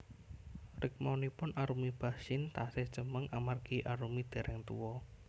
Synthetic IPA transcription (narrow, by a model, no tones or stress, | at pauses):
rɪk̚manipʊnaɾumib̥a̤sɪnt̪ased̥ʒ̥əməŋʔamarɡ̥iʔaɾumid̪̥ɛ̤ɾʔɛŋt̪ṵwɔ